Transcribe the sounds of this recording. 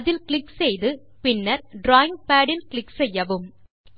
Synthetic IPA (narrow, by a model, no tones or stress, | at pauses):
ðɪlkɭɪksɛjðɯpɪnːɐɾɖɾaːɪŋɡ̚paːɽɪlkɭɪksɛjːɐʋɯm